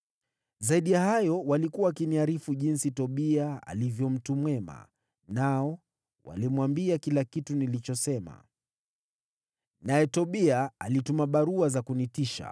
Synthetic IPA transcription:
zaiɗijahajɔwalikuakiniaɾifuʄinsitɔɓiaa̰livjɔm̩tumwɛma̰ | naɔ | wa̰limwambiakilakitunilit͡ʃɔsɛma̰ | najɛtɔɓiaːlitumaɓaɾuazakunitiʃa̰

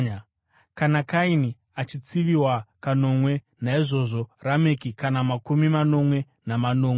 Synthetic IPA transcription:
kanakaini | at͡ʃit͡siʋiwakano̞mwe̞ | naiʐo̞ʐo̞ramekikanamakumimano̞mwe̞ | namano̞ːme

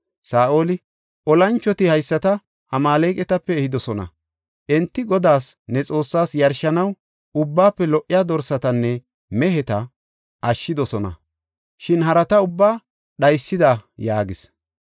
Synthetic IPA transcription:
saːʔo̞ːlɪ | ʔɔlɐnt͡ʃːɔt̪ɪhɐjsːɐt̪ɐ | ʔɐmaːlɛjkʼɛt̪ɐpːɛːhɪd̪ɔsɔnɐ̰ | ʔɛnt̪ːɪɡɔd̪aːsnɛt͡sʼo̞ːsːaːsjɐɾʃɐnɐw | ʊbːaːpːɛlɔʔːɪjaːd̪ɔɾsɐt̪ɐnːɛ | mɛɦɛt̪ɐ | ɐʃːɪd̪ɔsɔnɐ̰ | ʃɪnhɐɾɐt̪ɐʊbːaː | ɗɐjsːɪd̪ɐjaːɡɪs

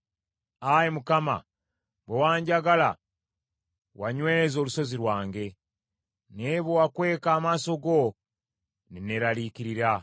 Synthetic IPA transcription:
ajemukama̰ | bewaːɲɟaɡala̰ | waɲwezo̞ːluso̞ziɾwaːŋɡe̞ | neβowakwe̞ːkaːmaːso̞ɡo̞ | nineɾalikiɾiɾa

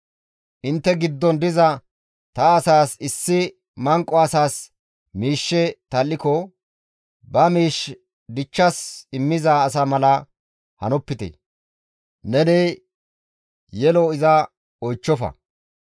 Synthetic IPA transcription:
ʔɪnt̪ːɛɡɪd̪ːɔnd̪ɪzɐ | t̪ɐːsaːsɪsːɪ | mɐŋkʼːɔɐsaːs | miːʃːɛt̪ɐlːɪkɔ | bɐmiːʃ | d̪ɪt͡ʃːɐsɪmːɪzaːs̬ɐmɐlɐ | hɐ̰nɔpːɪt̪ɛ̰ | nɛneː | jɛlɔɪzɐ | ɔjt͡ʃːɔfɐ̰

